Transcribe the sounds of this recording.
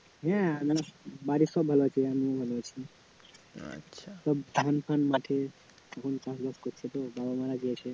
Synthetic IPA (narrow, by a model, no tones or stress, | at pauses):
ɦɛ̃manabaɾisɔbʱəlot͡ʃʰiamiobʱəlot͡ʃʰi | sɔbd̪ʱanpanmaʈʰe | ɔkʰonpãsb̪askot̪t͡ʃʰet̪ɔbabamaɾad͡ʒiet͡ʃʰe